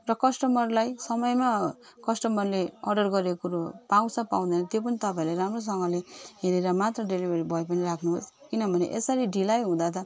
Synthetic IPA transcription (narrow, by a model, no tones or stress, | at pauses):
rʌkʌsʈʌmʌrlajsʌmʌjma | kʌsʈʌmʌrleʌɖʌrɡʌɾekuɾopaw̃t͡sʰʌpaw̃d̪ʌnʌt̪jop̬ʌnit̪ʌpaĩleɾamros̬ʌŋɡʌleɦeɾeɾʌmat̪rʌɖelibʱeɾibʱʌjp̬ʌniɾakʰnuɦos | kinʌbʱʌnḛʔesʌɾiɖilajɦũd̪at̪ʌ